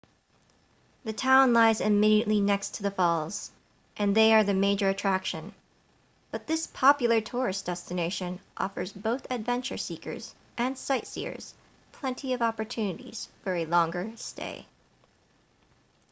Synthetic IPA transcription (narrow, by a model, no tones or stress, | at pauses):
ðɨtʰãʊ̃nlaɪzɨmiɾiɨʔlinɛkstʰɨðɨfɔlˠz̥ | ʔɨ̃nðeɪə˞ðɨmeɪd͡ʒə˞ɨtʰɹ̥ækʃɨ̃n | b̥ʌt̪̚ðɪspʰɑpjl̩ˠə˞tʰʊɹɨsd̥ɛstɨneɪʃɨ̃nʔɔ̰fə˞zboʊθɨdvɛ̃nt͡ʃə˞sikə̰˞z̥ | ʔɨ̃nsaɪtsḭə̰˞z̥ | pʰl̥ɛ̃ntʰiʌvɑpə˞tʰʉnɨɾḭz̥fə˞ɨlɔ̃ŋɡə˞stʰḛɪ